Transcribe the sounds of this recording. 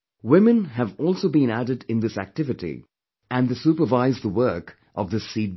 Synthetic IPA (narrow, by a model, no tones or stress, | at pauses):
wɪ̃mɨ̃nɦɨvɔlˠsoʊbĩnæɾɨdɪ̃nd̪ɪsæ̰k̚tɪvɨtḭ | æ̃nðesupəvaɪzðəwɜːk | ʔʌvðɨsi